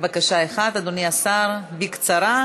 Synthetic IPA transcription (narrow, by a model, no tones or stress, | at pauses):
bakaʃaeχat̪ad̪oniasaɾbikt͡saɾa